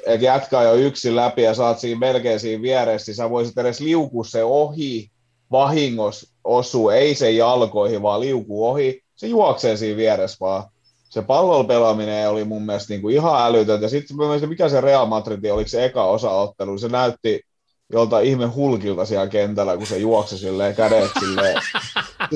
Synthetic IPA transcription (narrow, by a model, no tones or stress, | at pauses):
et̪jæt̪kɑːjoyksillæpijɑsɑːt̪siːmmelkeːnsiːʋʋiæɾessisæʋoisit̪eɾesliukusseohi | ʋɑhiŋːos | osuːeisejɑlkoihiʋɑːliukuːohi | sejuɑkseːnsiːʋʋiæɾesʋɑː | sepɑlːelpelɑmineolimumːiælst̪niːŋkuihɑælyt̪ønt̪jɑsit̪mæmeisimikæsereɑlmɑt̪rit̪iolikseekɑosɑot̪ːelunisenæyt̪ːi | jolt̪ɑihmehulkilt̪ɑsiælkent̪ælækusejuɑksisilːeːkædeˑt̪silːeː